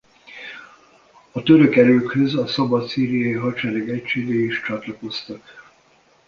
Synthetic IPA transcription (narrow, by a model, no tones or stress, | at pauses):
ɒt̪øɾø̞kɛɾøːkhøzɒsɒbɒt̪siːɾijɒjiɦɒt͡ʃɛlɛɡɛcʃeːɡeiʃt͡ʃɒt̪lɒko̞st̪ɒk